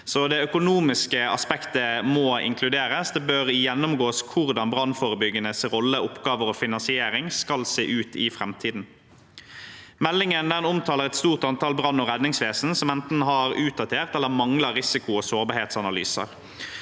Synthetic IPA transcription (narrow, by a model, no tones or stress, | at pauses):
sɔd̪ɛœkʊnuːmɪskəɑspɛkt̪əmɔɪ̰ŋkʰlʉd̪eːɾəsd̪ɛbøɾjɛnːʊmɡoːskʰʊʁd̪ɑnbʁɑnːfoːʁəbʏɡːənəsʁɔlːəʊpɡɑːʋəɾɔfɪnɑnsɪeːɾɪŋskɑlsḛːʔʉːt̪ʰɪfɾʁɛmt̪ʰiːd̪n̩ | mɛlːɪŋənd̪ɛnʊmt̪ʰɑːləʁɛt̪st̪uːʁt̪ɑnt̪ʰɑːlbɾɑnːɔʁɛd̪nɪŋsʋeːsn̩sɔmɛnt̪n̩ɦɑʁʉːt̪̚d̪ɑt̪ʰeːʁt̪ɛlːəmɑŋlɑʁɪsɪkʊosoːʁbɑɾʁheːt̪sɑnɑly̰ːsə̰ʁ